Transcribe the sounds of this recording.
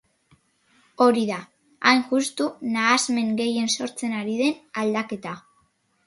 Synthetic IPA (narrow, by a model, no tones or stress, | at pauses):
o̞ɾiða | ajnʝust̪unaːzme̞ŋɡe̞je̞nso̞ɾt͡se̞naɾiðe̞nald̪ake̞t̪a